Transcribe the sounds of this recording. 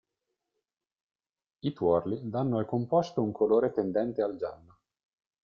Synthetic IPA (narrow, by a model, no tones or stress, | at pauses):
it̪wɔrlid̪anːoalkompɔst̪ouŋkʰoloːɾet̪end̪ɛnt̪eald͡ʒa̰nːo